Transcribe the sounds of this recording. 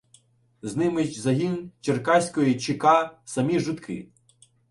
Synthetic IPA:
znɪmɪt͡ʃzɐɦʲint͡ʃerkɑsʲkɔjit͡ʃɪkɑsɐmʲiʒʊt̪kʰɪ̰

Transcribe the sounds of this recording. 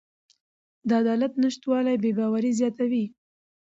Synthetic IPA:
d̪əad̪ɑlat̪nəʃt̪wɑlajbebɑwaɾizjɑt̪awi

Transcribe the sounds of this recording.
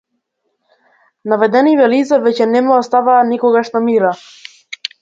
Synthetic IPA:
navɛd̪ɛnivɛlizavɛcɛnɛmaɔst̪avaːnikɔɡaʃnamiɾa

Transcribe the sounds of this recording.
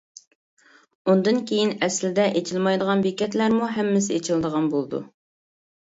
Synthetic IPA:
und̪ɨnkʲʰejinɛslɪd̪ɛʔet͡ʃʰilmɑjd̪əʁɑnbekʲɛt̪læɾmuɦɛmːɪs̬ɪet͡ʃʰild̪əʁɑnbolˠd̪ṵ

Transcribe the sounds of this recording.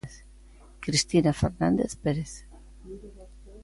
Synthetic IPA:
θ | kɾist̪inafeɾnand̪eθpeɾeθ

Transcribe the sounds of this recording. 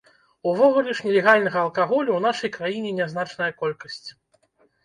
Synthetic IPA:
uvɔɣulʲɛʂnʲɛlʲɛɣalʲn̪ɐɣɐːlˠkaɣɔlʲuwn̪aʂɐjkɾajinʲɛnʲɛznat͡ʂnɐjɐkɔlʲkɐsʲt͡sʲ

